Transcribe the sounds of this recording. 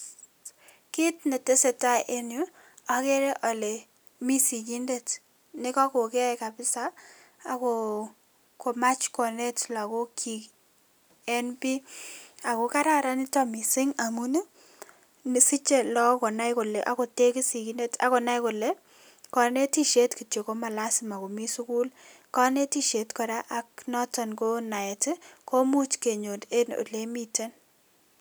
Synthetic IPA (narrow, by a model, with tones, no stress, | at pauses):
kɪ˦tne˨te˦se˨ta˦ʔe˦nju˦ | a˨ke˦ɾe˦ʔɔ˨le˨ | mi˦si˨ɡi˦nde˨t | nɪ˦kɔ˦ko˨kɛ˦˨ka˨bɪ˦saː˦˨ | ko˨ | ko˨ma˦t͡ʃkɔ˨ne˦tla˨ko˦kʰi˨k | ɛ˦npi˦a˨ko˨ka˦ɾa˦˨ɾa˦nɪ˦tɔ˦mi˨sɪ˦ŋa˨mu˦ne˦ | nsi˦t͡ʃe˦lɔ˦kɔ˨na˦jko˨leʔa̰˨ko˨te˦ki˦si˨ki˦ne˦ta̰˨ko˨na˦jko˨le˦ | kɔ˨ne˦ti˦ʃe˦tki˨to˨ko˦ma˨la˦sɪma˨ko˨mi˦su˦ku˦l | kɔ˦ne˦ti˦ʃe˨tkɔ˨ɾa˦ʔa˦knɔ˦tɔ˨nko˦na˨ɛ˨tko˦mu˦t͡ʃke˨ɲo˨de˦no̰˨le˦mi˦te˦n